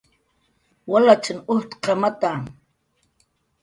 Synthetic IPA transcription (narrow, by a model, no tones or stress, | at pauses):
walat͡ʃanʊht̪qamat̪a